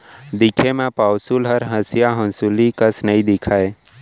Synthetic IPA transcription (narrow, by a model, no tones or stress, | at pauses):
d̪ɪkʰemẽpaːwsulɦəɾɦəsjaɦə̃nsulikəsnəĩd̪ɪkʰaːe